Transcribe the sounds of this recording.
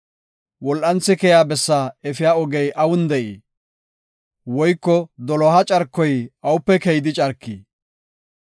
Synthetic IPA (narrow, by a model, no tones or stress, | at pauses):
wɔlʔɐnt͡sːɪkɛjaːbɛsːaɛfɪjaːɔɡɛjʔɐwʊnd̪ɛʔḭː | wɔjkːɔd̪ɔlɔɦɐt͡ʃʼɐɾkːɔjʔɐwʊpːɛkɛjd̪ɪt͡ʃʼɐɾkːi